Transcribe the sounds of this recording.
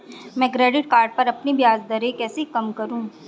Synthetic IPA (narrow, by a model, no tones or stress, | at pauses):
mɛ̃ːkɾɛːɖɪʈ̚kaːɾɖ̚pɐɾɐpnibijaːzd̪ɐɾekɛːsekɐmkɐɾũː